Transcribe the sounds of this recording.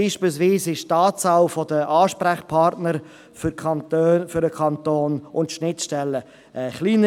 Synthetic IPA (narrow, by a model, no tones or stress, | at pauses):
iːʃpils̬viːsɪʃtɑːsawfɔdəʔɑːʃpɾæχpʰɑɾtnəɾ | fʏkʰɑntøfʏɾəkʰɑnt̪oːnʊntʃnɪtʃtɛlːə | ʔɛχliːnə